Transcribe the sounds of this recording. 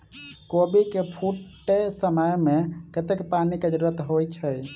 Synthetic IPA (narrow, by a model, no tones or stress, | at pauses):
kobikepʰuʈːesəməjmekət̪ekpanikəd͡ʒɾuɾət̪ɦojt͡ʃʰəj